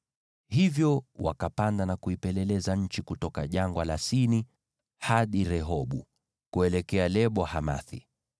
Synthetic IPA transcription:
hivjɔwa̰kapandanakuipɛlɛlɛzaɲ̩t͡ʃikutɔkaʄaŋɡwalasini | haɗiɾɛɦɔɓu | kuɛlɛkɛalɛɓɔhama̰θḭ

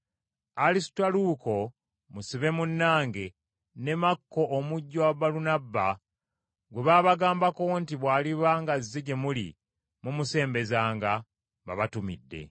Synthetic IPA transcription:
alisi̥twaluko̞ | musiβe̞munːaːŋɡe̞ | ne̞makːo̞ʔːmuɟːowaβalunabːa | ɡweβaːβaɡaːmbako̞ntiβwaːliβaŋɡazːeɟemulḭ | mumuse̞ːmbe̞zaːŋɡa | βa̰βatumḭdːe̞̰

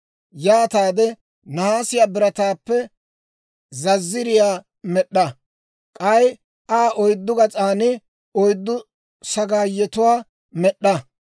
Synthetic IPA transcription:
jaːt̪aːd̪ɛ | nɐhaːsɪjaːbɪɾɐt̪aːpːɛ | zɐzːɪɾɪjaː | mɛɗːɐ | kʼɐj | ʔaːʔɔjd̪ːʊɡɐt͡sʼaːnɪ | ɔjd̪ːʊ | sɐɡaːjɛt̪ʊwaː | mɛɗːɐ

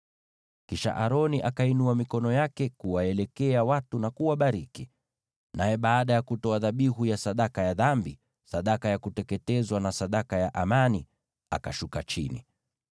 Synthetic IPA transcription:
kiʃa̰ʔaɾɔniʔakainuamikɔnɔjakɛkuwaɛlɛkɛawatunakuwaɓaɾiki | najɛɓaːɗajakutɔaðaɓiɦujasaɗakajaðambi | saɗakajakutɛkɛtɛzwanasaɗakajaʔamani | a̰kaʃukat͡ʃḭnḭ

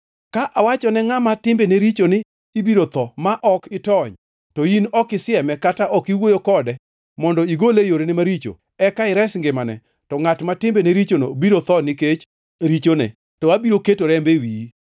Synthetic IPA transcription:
kaʔawat͡ʃɔnɛŋamatɪmbeneɾit͡ʃonɪː | biɾot̪ɔmaʔɔkɪtɔɲ | tɔinɔkɪsɪɛmɛkataʔɔkiwojokɔdɛ | mɔndɔiɡolejoɾenɪmaɾit͡ʃo̰ | ɛkaɪɾɛsŋɡɪmanɛ̰ | tɔŋatmatɪmbeneɾit͡ʃono̰biɾot̪ɔnɪket͡ʃ | ɾit͡ʃonɛ̰ | tɔabiɾoketoɾɛmbewi

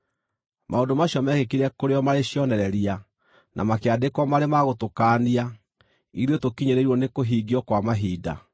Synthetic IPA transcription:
maondomaɕjɔmɛɣekiɾɛkoɾeɔmaɾeɕjɔnɛɾɛɾia | nʔa̰makeadekwɔmaɾemaɣotokaːnia | iɾiotokiɲeɾeiɾwɔnekoɦiːɡiɔkwamaɦiːda̰

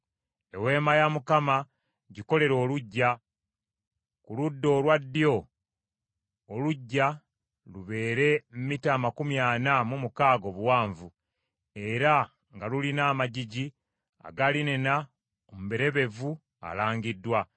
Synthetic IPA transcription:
e̞we̞ːmajamukama | ɟiko̞le̞ɾo̞ːluɟːa | kuludːo̞ːlwadːio̞ | oluɟːa | luβe̞ːɾe̞mmitaːmakumjaːnamumukaːɡo̞βuwaːɱvu | e̞ɾa | ŋɡalulinaːmaɟiɟi | a̰ɡalinena | omuβe̞ɾe̞βe̞vu | a̰laːŋɡidːwa

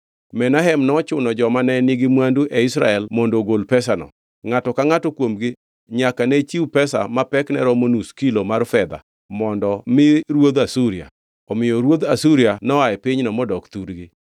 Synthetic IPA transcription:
mɛnaɦɛmnɔt͡ʃʊnɔd͡ʒɔmanɛnɪɡɪmwanduʔɛisɾa̰ɛlmɔndoɡolpɛsanɔ̰ | ŋatɔkaŋatɔkwomɡɪ | ɲakanet͡ʃiupɛsa̰mapɛknɛ̰ɾɔmonuskilomarfɛd̪a̰ | mɔndɔmɪɾwod̪asuɾia̰ | ɔmɪjɔɾwod̪asuɾianɔaɛpɪɲnɔmɔdɔkt̪uɾɡɪ

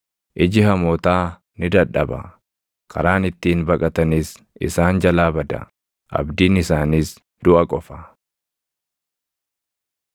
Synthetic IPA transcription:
ʔɪd͡ʒɪhɐmoːt̪aː | nɪd̪ɐᶑːɐbɐ̰ | kʰɐ̰ɾaːnɪt̪ːiːnbɐkʼɐt̪ɐniːs | ɪ̰saːnd͡ʒɐlaːbɐd̪ɐ̰ | ʔɐ̰bd̪iːnɪsaːniːs | d̪̥ʊʔɐkʼɔfɐ

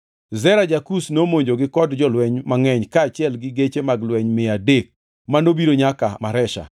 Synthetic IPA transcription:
zɛɾad͡ʒakusnomoɲd͡ʒoɡɪkɔdd͡ʒɔlwɛɲmaŋɛɲkaːt͡ʃɪɛlɡɪɡet͡ʃemaɡlwɛɲmɪadek̚ | manobiɾoɲakamaɾɛʃa̰

